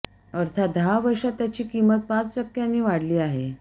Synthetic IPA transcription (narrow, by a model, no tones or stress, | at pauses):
əɾt̪ʰat̪̚d̪ʱaʋəɾʂat̪ːjat͡ɕiːkimət̪̚pãt͡st͡ɕəkːjanːiːʋaɽliːaɦe